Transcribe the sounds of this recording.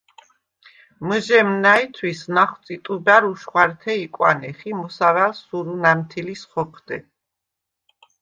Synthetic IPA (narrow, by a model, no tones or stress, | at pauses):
məʒɛmnait̪ʰwisnaχwt̪sʼit̪ʼubaɾuʃχwaɾt̪ʰɛikʼwa̰nɛχimɔsavalsuɾunamt̪ʰilisχɔqʰd̪ɛ